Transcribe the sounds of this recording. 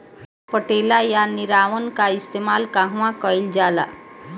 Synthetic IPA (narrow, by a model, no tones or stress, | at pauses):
pəʈelajaniɾaʋənkaist̪emalkaɦʋãkəjld͡ʑala̰